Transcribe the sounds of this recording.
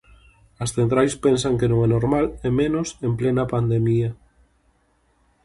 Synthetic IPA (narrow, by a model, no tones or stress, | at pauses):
ɐsθent̪ɾajspensaŋkenõŋɛnoɾmalemẽnosemplenɐpand̪emiɐ